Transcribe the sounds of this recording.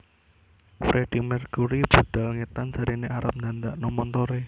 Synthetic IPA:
fɾeɖ̥ikmɛrkuɾib̥ṳd̪̥a̤lŋet̪ansaɾineʔaɾə̰p̚nd̪and̪aʔnɔmɔnt̪oɾe

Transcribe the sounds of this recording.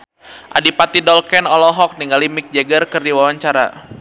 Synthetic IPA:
ʔa̰dipat̪idɔlkɛnɔlɔɦɔk̚niŋɡalimik̚d͡ʒaɡərkərdiwawaɲt͡ʃaɾa̰

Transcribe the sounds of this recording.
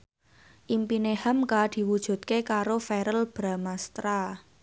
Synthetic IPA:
ʔimpinehamkad̪̥i̤wud̥ʒ̥ṳt̪̚kekaɾofɛɾəlb̥ɾa̤mast̪ɾa

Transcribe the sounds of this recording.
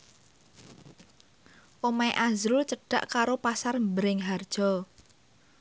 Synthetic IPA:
ʔomajʔazɾʊlt͡ʃəɖ̥a̰ʔkaɾopasarmbəɾɪŋɦard̥ʒ̥ɔ

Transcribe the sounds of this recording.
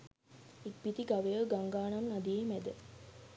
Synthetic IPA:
ik̚bit̪iɡaʋəjəɡaŋɡaːnamnad̪ijemæd̪ə

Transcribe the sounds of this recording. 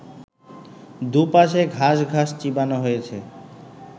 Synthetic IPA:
d̪upaʃeɡʱaʃɡʱaʃt͡ɕibanoɦojet͡ɕʰe

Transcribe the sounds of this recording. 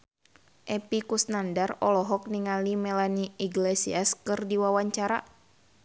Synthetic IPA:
ʔɛpikusnandarɔlɔɦɔk̚niŋalimɛlaniiɡlɛsiaskɨrdiwawaɲt͡ʃaɾa̰

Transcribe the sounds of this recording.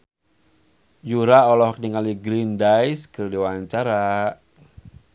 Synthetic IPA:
juɾaɔlɔhk̚niŋaliɡɾindajskɨrdiwaɲt͡ʃaɾa

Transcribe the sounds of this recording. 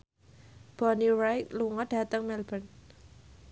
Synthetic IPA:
b̥ɔniɾajkluŋɔd̥ä̤t̪əŋmɛlb̥ən

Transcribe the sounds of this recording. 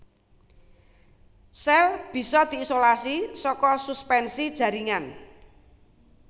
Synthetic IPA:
sɛlb̥i̤sɔd̪̥i̤ːsolasisɔkɔsuspɛnsid̥ʒ̥ä̤ɾiŋan

